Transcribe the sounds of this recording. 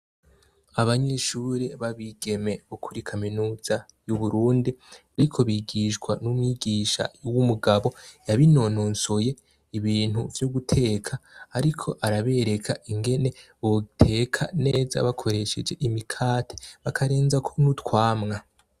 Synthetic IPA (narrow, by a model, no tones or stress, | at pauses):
aβaɲe̞ʃuɾeβaβiɡe̞me̞ukʰuɾikʰaminuːz̥a | juβuɾuːndi | aɾikʰo̞βiːɡiːʃɡwanumŋiɡiːʃa̰wumuɡaβo̞jaβino̞noːnsoje̞ | iβiːn̥huvjoɡutʰe̞ːkʰaːɾikʰo̞ʔaɾaβe̞ɾe̞kʰaʔiŋɡe̞ne̞ | βotʰe̞ːkʰane̞ːza̰βakʰo̞ɾe̞ʃe̞d͡ʒe̞ʔimikʰaːtʰeβakʰaɾe̞ːnzakʰo̞nutkwaːmŋa